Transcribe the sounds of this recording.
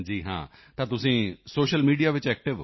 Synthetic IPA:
d͡ʒiːɦã̰ː | t̪ãːt̪ʊsĩːsoːʃəlmiːɖijaːʋɪt͡ʃɛːk̚ʈɪʋ

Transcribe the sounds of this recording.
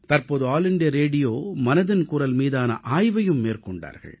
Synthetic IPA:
t̪ɐɾpoːðɯaːlɪɳɖɪjɐɾeːɽɪjoːmɐnɐðɪnkuːɾɐlmiːðaːnɐ̰ʔaːjʋɐjɯmːeːrkɔɳɖa̰ːɾɣɐ̰ɭ

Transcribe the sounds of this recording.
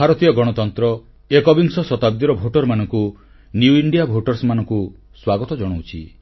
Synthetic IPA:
bʱaɾɔt̪ijɔɡɔɽ̃ɔt̪ɔnt̪ɾɔ | ekɔbiŋsɔsɔt̪abd̪iɾɔbʱoʈɔɾmanɔŋku | njuiɳɖijabʱoʈɔɾsmanɔŋku | swaɡɔt̪ɔd͡ʒɔɽ̃owt͡ʃʰḭ

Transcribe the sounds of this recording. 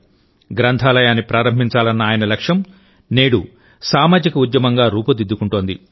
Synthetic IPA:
ɡɾɐnt̪ʰaːlɐjaːnːipɾaːɾɐmbʱiɲt͡ʃaːlɐnːɐaːjɐnɐlɐkʂjɐm | ne̞ːɽu | saːmaːd͡ʒikɐud̪jɐmɐŋɡaːɾuːpɐd̪id̪ːukuɳʈoːnd̪ḭ

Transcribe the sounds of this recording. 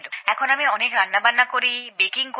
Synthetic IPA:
loɛkʰonamiɔnekɾanːabannːakoɾibekiŋk

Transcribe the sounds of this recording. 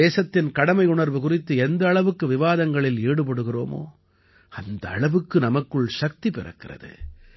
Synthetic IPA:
eːsɐt̪ːɪnkɐɽɐmɐɪʊɳɐɾʋɯkʊrɪt̪ːɯɛnd̪ɐːɭɐʋɯkːɯʋɪʋaːðɐŋɡɐɭɪleːɽɯp̬ɐɽɯɣɪro̰ːmo̰ː | ɐnd̪ɐːɭɐʋɯkːɯnɐmɐkːɯɭʃɐk̚t̪ipɪrɐ̰kːɪrɐ̰ðɯ̰

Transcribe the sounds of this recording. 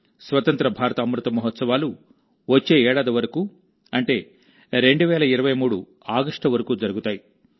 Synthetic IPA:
sʋɐt̪ɐnt̪ɾɐbʱaːɾɐt̪ɐːmɾut̪ɐmuɦɔt̪sɐʋaːlu | ʋɐt͡ʃːe̞ːɛːɽaːd̪iʋɐɾɐkuː | ɐɳʈe̞ː | ɾe̞ɳɖuʋɛːlɐiɾɐʋɐjmuːɽu | aːɡɐʂʈɐʋɐɾɐkuːd͡ʒɐɾuɡut̪aːji

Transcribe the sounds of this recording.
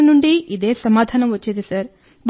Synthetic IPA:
ɐnuɳɖiid̪e̞ːsɐmaːd̪ʱaːnɐmʋɐt͡ʃːed̪isɐɾ | b

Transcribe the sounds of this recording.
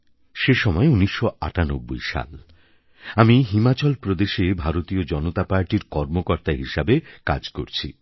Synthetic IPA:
ʃeʃɔmɔeuniʃːoa̰ʈano̰bːo̰jʃa̰l | amiɦimat͡ɕɔlpɾod̪eʃebʱaɾot̪iod͡ʑɔnot̪apaɾʈiɾkɔɾmokɔɾt̪aɦiʃabeka̰d͡ʑko̰ɾt͡ɕʰi

